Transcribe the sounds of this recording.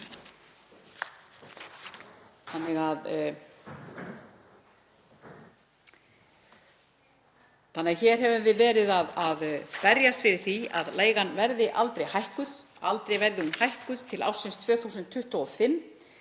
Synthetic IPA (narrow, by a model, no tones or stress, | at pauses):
θanːɪɣað | θanːɪɣçɛːɾ̥ɦɛvʏmvɪðvɛːɾɪðaðaðpɛɾjast̪fɪɾɪɾ̥θia̰ðleːjɣanvɛɾðɪʔal̪t̪ɾejhajhkʏð̥ | alt̪ɾejvɛɾðɪhunhajhkʏðt̪ʰɪla̰wsɪnst̪ʰv̥œːθuːsʏnt̪ʰːʏht̪ɔɔfɪmː